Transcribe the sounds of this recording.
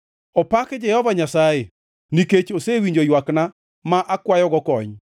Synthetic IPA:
ɔpakd͡ʒɛhɔvaɲasaje | niket͡ʃosewiɲd͡ʒojwakna | maʔakwajɔɡɔkɔɲ

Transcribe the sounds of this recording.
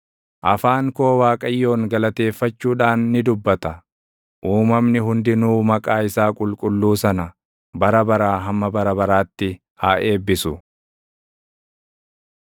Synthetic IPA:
ʔɐfaːŋko̞ːwaːkʼɐjːo̞ːŋɡɐlɐt̪e̞ːfːɐt͡ʃːuːᶑaːnːɪd̪ʊbːɐt̪ɐ | ʔuːmɐmnɪɦʊnd̪ɪnuːmɐkʼaːɪsaːkʼʊlkʼʊlːuːsɐnɐ | bɐɾɐbɐɾaːɦɐmːɐbɐɾɐbɐɾaːt̪ːɪ | haːʔe̞ːbːɪsʊ

